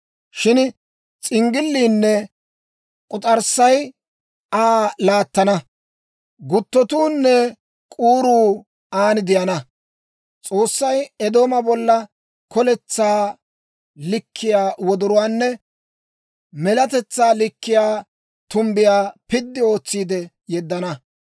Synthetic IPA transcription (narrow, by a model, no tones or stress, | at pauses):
ʃɪn | t͡sʼɪŋɡɪlːiːnːɛ | kʼʊt̪ʼɐɾsːɐj | ʔaːlaːt̪ːɐnɐ | ɡʊt̪ːɔt̪uːnːɛ | kʼuːɾuː | aːnɪd̪ɪjɐnɐ | t͡sʼo̞ːsːɐjɛd̪o̞ːmɐbɔlːɐ | kʰɔlɛt͡sːaː | lɪkʰːɪjaːwɔd̪ʊɾʊwaːnːɛ | mɛlɐt̪ɛt͡sːaːlɪkːɪjaː | t̪ʊmbɪjaːpɪd̪ːɪo̞ːt͡sːiːd̪ɛ | jɛd̪ːɐnɐ